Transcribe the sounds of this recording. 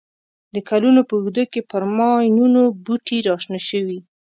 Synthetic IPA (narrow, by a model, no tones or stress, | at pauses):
d̪əkalunopəuɣd̪əkepəɾmɑjnunobuʈiɾɑʃnaʃəwi